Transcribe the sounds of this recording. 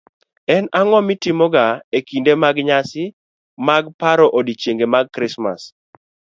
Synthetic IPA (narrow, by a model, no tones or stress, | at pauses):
ɛnaŋɔmitimɔɡaekindemaɡɲasɪ | maɡpaɾɔʔodit͡ʃjeŋɡemaɡ̚kɾɪsma̰s